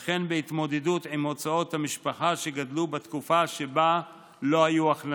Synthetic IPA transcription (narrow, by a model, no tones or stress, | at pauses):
χe̞nbeit̪mo̞d̪edut̪ʕimo̞t͡sao̞t̪hamiʃpaχaʃeɡadlubet̪kufaʃe̞ba | lo̞ajuaχn